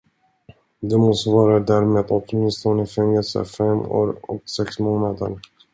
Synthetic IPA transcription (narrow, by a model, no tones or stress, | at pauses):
d̪ɛmɔst̪əvɑːɾad̪æɾmeːd̪ɔt̪mɪnst̪ɔnəfɛŋːɛlsə̰fɛmo̰ːɾɔ̰ksɛksmoːnad̪ə̰ɾ